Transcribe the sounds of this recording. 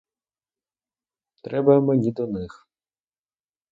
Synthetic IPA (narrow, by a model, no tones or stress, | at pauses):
t̪ɾɛbɐmenʲid̪ɔnɪx